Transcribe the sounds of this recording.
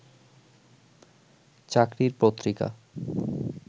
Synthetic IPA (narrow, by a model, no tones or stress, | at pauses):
t͡ɕakɾiɾpɾot̪ːɾika̰